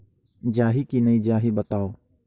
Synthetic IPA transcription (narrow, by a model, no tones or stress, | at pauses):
d͡ʒaːɦikinɐid͡ʒaːɦibɐt̪aːoː